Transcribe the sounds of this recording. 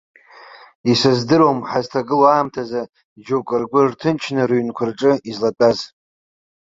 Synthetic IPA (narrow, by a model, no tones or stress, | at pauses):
isazdɨɾomħaztʰaɡɨloaːmtʰaza | d͡ʒowkʼɨrɡʷʊrtʰɨnt͡ʃʰnɨruɥnkʷʰʊrʈ͡ʂʼɨizlat͡pʼaz